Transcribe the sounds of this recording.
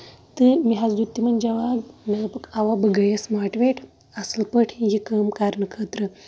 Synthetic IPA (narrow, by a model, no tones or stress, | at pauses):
t̪ɨmiɦad͡zd̪ut̪ːimɐnd͡ʒɐʋaɡmɐɡɐpɐkaʋabəɡɐjɐsmaːɾʈʋeʈʰ | asəlpəʈʰijikəmkaɾnəkʰət̪ɾə